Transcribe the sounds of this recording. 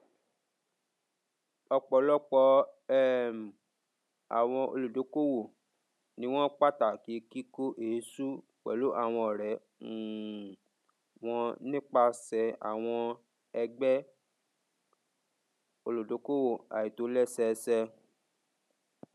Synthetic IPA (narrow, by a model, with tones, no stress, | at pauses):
ɔ˧k͡pɔ˨˦lɔ˦k͡pɔ˧˦ɛ˦m˨ | a̰˨w̃ɔ̃˧o̰˧lu˨do˨˦ko˦wo˦˨ | nĩ˦w̃ɔ̃˦k͡pa˦ta˨ki˨˦ki˦ko˦ʔe˨˦su˦ | k͡pɛ̰˨lo˨˦ʔa˦˨w̃ɔ̃˧ɔ˨ɾɛ˨˦˨ | w̃ɔ̃˧nĩ˦k͡pa˧sɛ˧a̰˨w̃ɔ̃˧ | ɛ˧ɡ͡bɛ˦ | o˧lu˨do˨˦ko˦wo˦˨a̰˨ji˨to˨˦lɛ˦sɛ˧sɛ˧